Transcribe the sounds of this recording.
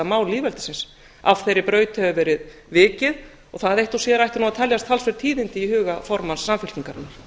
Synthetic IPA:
amaːwliːvɛlt̪ɪ̥sɪns | av̥θejɾɪpɾœːɥt̪hɛvʏvɛːɾɪð | vɪːcɪð | ɔɣθaðejht̪ɔwsjɛɾajht̪ɪɾnuat̪ʰɛljast̪ʰalsvɛɾt̪ʰiːðɪnt̪ɪihʏːɣafɔɾmansːamfɪl̥c̪iŋkaɾna

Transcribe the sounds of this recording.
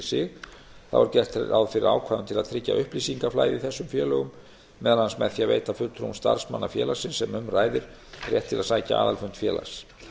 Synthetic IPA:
sɪɣ | θa̰va̰ɾcɛr̥t̪a̰wðfɪɾɪɾa̰ːwkʰvaːðʏnt̪ʰɪlaðt̪ʰɾɪcːa̰ʔʏhplisiŋkaflaːjðɪθɛsːʏmfjɛːlœɣʏmː | ɛːðalhansmɛðθjaveːjt̪afʏlt̪ʰɾo̰wmst̪a̰ɾ̥smanːafjɛːlasɪnsɛmʏmraːjðɪɾ̥ | rjɛ̰ht̪ʰːɪlaðsaːjca̰ʔaːðalfʏn̥t̪fjɛ̰ːlʔa̰s

